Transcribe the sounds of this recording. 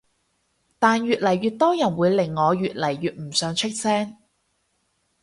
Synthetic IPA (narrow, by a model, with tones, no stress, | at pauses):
t̪aː˨˧njyː˨t̚lɐ˨˩jɥyː˨˧t̚t̪ɔː˥jɐ˨˩nwuː˨˧jlɪ˨˩ŋːɔː˨˧ɥyː˨t̚lɐ˨˩jɥyː˨t̚m̩˨˩sœː˨˧ŋt͡ʃʰɪ˥k̚sɛː˥ŋ